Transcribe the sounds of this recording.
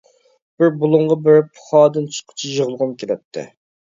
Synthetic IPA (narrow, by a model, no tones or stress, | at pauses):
b̥ɪɾbulˠʊɴʁɑbɪɾpʰʊ̥χɑːd̪ɨnt͡ʃʰɨ̥qʰʊ̥t͡ʃʰiʒəʁəlˠʁʊmkʲʰelɛp̚t̪ʰːɪ̰